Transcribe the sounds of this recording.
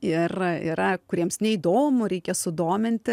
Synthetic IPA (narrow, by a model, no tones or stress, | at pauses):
ɪrɪ̰ɾɐkʊɾʲiɛmsnʲɛid̪oːmʊɾʲɛɪkʲɛsʊd̪oːmʲɪnʲt̪ʲɪ